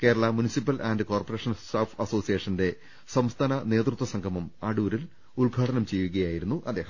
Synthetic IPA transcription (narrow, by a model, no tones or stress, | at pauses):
ke̞ːɾɐɭɐmunisipːɐlʔɐndɨko̞ːrpɐre̞ːʂɐnstaːfɐso̞ːsijeʂɐnde̞ | sɐmst̪ʰaːnɐne̞ːt̪rut̪wɐsɐŋɡʰʱɐmumɐɽuːɾil | uɭɡʱaːʈɐnɐmt͡ɕe̞jːuɣɐjaːjiɾun̪ːuʔɐd̪ːe̞ːhɐm